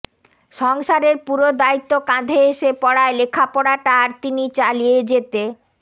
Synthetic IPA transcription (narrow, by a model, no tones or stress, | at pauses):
ʃɔŋʃaɾeɾpuɾod̪ait̪ːokãd̪ʱeeʃepɔɽaelekʰapɔɽaʈaɾt̪init͡ɕalijed͡ʑet̪e